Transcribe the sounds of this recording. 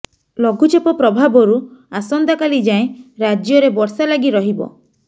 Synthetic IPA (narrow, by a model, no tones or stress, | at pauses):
lɔɡʱut͡ʃepɔpɾɔbʱabɔɾuasɔnd̪akalid͡ʒaẽɾad͡ʒjɔɾebɔɾsalaɡiɾɔɦibɔ̰